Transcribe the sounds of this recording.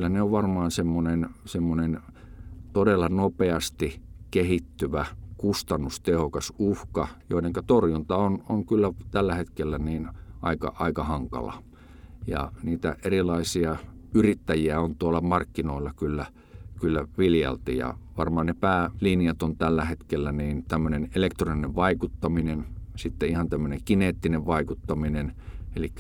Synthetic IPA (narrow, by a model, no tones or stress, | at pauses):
klːæneoʋʋɑrmɑːnsemːonensemːonen | t̪odelːɑnopeɑst̪ikehit̪ːyʋækust̪ɑnːust̪ehokɑsuhkɑjo̰ineŋkæt̪orjunt̪ɑonoŋkylːæt̪ælːæhet̪kelːæniːnʔɑikɑ̰ʔɑikɑhɑŋkɑ̰lɑ̰ | jɑ̰niːt̪æ̰ʔerilɑisiɑyrit̪ːæjiæont̪uolːɑmɑrkːinoˑilːɑkylːæ | kylːæʋiljɑ̰lt̪ijɑ̰ʋɑrmɑhɑnnepæːlinijɑt̪ont̪ælːæhet̪kelːæniːnt̪æmːønenelekt̪ronineʋʋɑikut̪ːɑminensit̪ːeihɑnt̪æmːøneŋkineːt̪ːineʋʋɑikut̪ːɑminenelikːæ